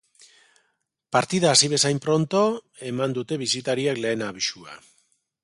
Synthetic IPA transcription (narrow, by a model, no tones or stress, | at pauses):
paɾt̪iðaːsiβe̞sajmpɾo̞nt̪o̞ | e̞mand̪ut̪e̞βisit̪aɾiakle̞ːnaβiʃua̰